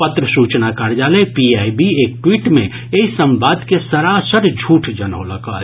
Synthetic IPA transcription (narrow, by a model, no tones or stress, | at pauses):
pət̪ɾəsut͡ʃnakaɾd͡ʒalɛpiajbiekʈwiʈme | eisəmbad̪kesəɾasəɾd͡ʒʱuʈʰd͡ʒənə̰ːləkə